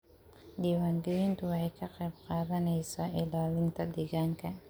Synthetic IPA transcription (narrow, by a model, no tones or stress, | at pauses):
d̪iːwaːŋɡɛjint̪ʰʊwɑħɑjkʰɐqɛjbqɑːðɐnɛjsaːʔɪlaːlɪnt̪ʰɐd̪ɛɣaːŋkʰɐ